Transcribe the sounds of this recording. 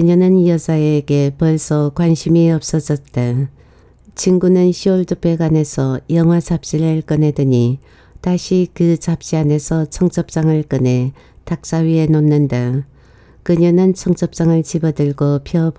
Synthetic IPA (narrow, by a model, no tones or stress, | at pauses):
kɯɲʌnɯnjʌd͡ʑaeɡe̞pʌɭsʰʌkwanɕʰimiʌp̚s͈ʌd͡ʑʌt̚t͈a | t͡ɕʰiŋɡunɯnɕʰioɭtɯp͈ʰe̞ɡane̞sʰʌjʌŋɦwat͡ɕap̚t͡ɕ͈iɾɯɭk͈ɯne̞dɯɲi | taɕʰikɯt͡ɕap̚t͡ɕ͈iane̞sʰʌt͡ɕʰʌŋt͡ɕ͈ʌp̚t͡ɕ͈aŋɯɭk͈ɯne̞ | tak̚s͈aɥie̞nonːɯnda | kɯɲʌnɯnt͡ɕʰʌŋt͡ɕ͈ʌp̚t͡ɕ͈aŋɯɭt͡ɕibʌdɯɭɡopʰjʌb